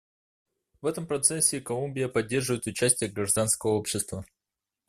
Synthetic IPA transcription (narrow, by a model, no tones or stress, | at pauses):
vɛt̪əmpɾɐt̪sɛsʲːɪkɐlˠumʲbʲɪjəpɐdʲːe̞rʐɨvəjɪt̪ʊt͡ɕæsʲtʲɪjəɡɾɐʐd̪anskəvəopɕːɪst̪və